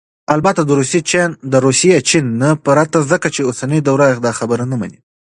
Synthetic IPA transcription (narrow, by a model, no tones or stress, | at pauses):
albat̪ad̪əɾuset͡ʃend̪əɾusijet͡ʃinːapəɾat̪azəkat͡ʃeosanəjd̪awɾaɪqd̪ɑxabəɾanama̰ni